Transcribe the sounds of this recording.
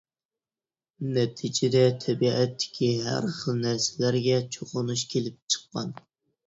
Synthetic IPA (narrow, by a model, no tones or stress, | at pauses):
nɛt̪ʰid͡ʒɪd̪ɛt̪ʰɛbiɛt̪ʰːɪ̥kʲʰiɦæ̰ɾχəlˠnæɾsɪlæɾɡʲɛt͡ʃʰoqʊnuʃkʲʰelɪp̚t͡ʃʰə̥qːɑ̰n